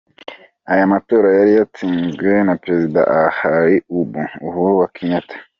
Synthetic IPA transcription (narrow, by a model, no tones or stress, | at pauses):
ajamato̞ːɾajaɾijatiːnzɡwenapɾe̞zida̰ʔahajiubuuhuowakʰiɲatʰḁ